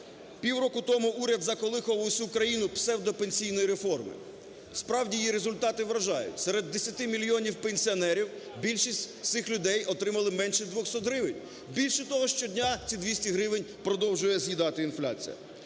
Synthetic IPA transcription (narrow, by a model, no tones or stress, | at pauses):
pʲiwɾɔkʊt̪ɔmʊʔuɾʲɐd̪zɐkɔlˠɪxɔʋʊʊsʲukɾɐjinʊpsɛwd̪ɔpenʲsʲijnɔjiɾefɔrmɪ̰ | spɾɑwdʲijjiɾezʊlʲt̪ɑt̪ɪʋɾɐʒɑjʊ̰tʲsɛɾed̪ːesʲɐt̪ɪmʲilʲjɔnʲiwpenʲsʲiɔnɛɾʲiw | bʲilʲʃisʲtʲt̪sɪxlʲʊd̪ɛjɔt̪ɾɪmɐlˠɪmɛnʃɛd̪ʋɔxsɔt̪ɦɾɪʋenʲ | bʲilʲʃɛt̪ɔɦɔʃt͡ʃɔdʲnʲat͡sʲid̪ʋʲisʲtʲiɦɾɪʋɪnʲpɾɔd̪ɔwʒʊjɛzjid̪ɑt̪ɪinflʲa̰t͡sʲḭjɐ̰